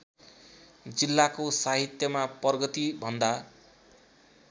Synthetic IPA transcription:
d͡zilːakosaɦit̪jʌmapʌrɡʌt̪ibʱʌnd̪a

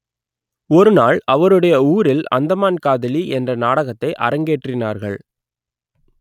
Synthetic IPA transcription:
ɔɾɯnaːɭɐʋɐɾɯɽɐjɐuːɾɪlɐ̰nd̪ɐmaːnkaːðɪliʔɛndrɐnaːɽɐɣɐt̪ːɐɪʔɐ̰ɾɐŋɡeːʈrɪnaːɾɣɐ̰ɭ

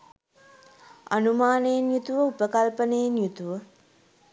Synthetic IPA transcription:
a̰numaːnejenjut̪uʋəupəkɐlpənejenjut̪uʋə

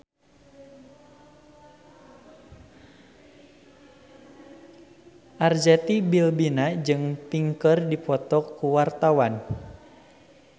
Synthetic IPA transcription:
ʔard͡ʒɛt̪ibilbinad͡ʒɨŋpiŋkərdipɔt̪ɔkːuwart̪awan

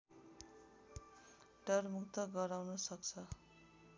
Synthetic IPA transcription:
ɖʌrmukt̪ʌɡʌɾawnʌsʌkt͡sʰʌ

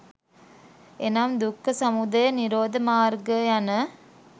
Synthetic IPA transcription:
enaːmd̪ukːɐsɐmud̪ɐjɐniɾoːd̪ɐmaːɾɡɐjɐnɐ

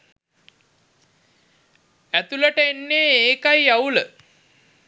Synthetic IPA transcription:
æt̪uləʈəenːeːeːkajaulə

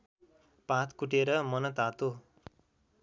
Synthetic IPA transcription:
pãt̪ʰkuʈeɾʌmʌnʌt̪at̪o

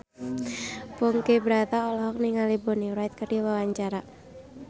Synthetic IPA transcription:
pɔŋkebɾat̪aɔlɔɦɔk̚niŋaliboniɾajt̪̚kərdiwawaɲt͡ʃaɾa

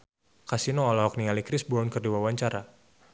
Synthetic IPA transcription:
kasinoːlɔɦɔk̚nialikɾɪsbɔnkərdiwawaɲt͡ʃaɾa

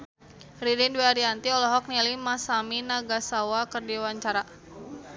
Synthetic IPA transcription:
ridindweaɾiant̪iɔlɔɦɔk̚nilimasaminaɡasawakərdiwaɲt͡ʃaɾa

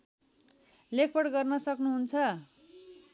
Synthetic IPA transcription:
lek̚ʰpʌɽɡʌrnʌsʌknuɦunt͡sʰʌ

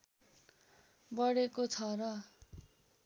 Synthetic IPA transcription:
bʌɽekot͡sʰʌrʌ

